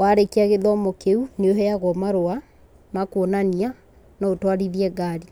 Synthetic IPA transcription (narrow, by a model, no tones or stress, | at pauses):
waɾekeaɣeðɔmokeuneoɦɛaɣɔmaɾoa | makonania | nɔotwaɾiðiɛɡaːɾi